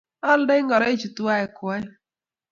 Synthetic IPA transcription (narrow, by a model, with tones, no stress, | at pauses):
ɔ˦l̩˦dɪ˦ŋ̩˦ɡɔ˨ɾɔ˦i˦t͡ʃu˨tu˨˦a˦e˨kʊ˨a˦